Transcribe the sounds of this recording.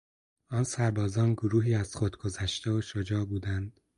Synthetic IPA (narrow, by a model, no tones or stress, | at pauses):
ɒːnsæɾbɒːzɒːnɡoɾuːɦiːæz̥χod̪ɡ̥o̞zæʃt̪eoʃod͡ʒɒːbuːd̪ænd̪̥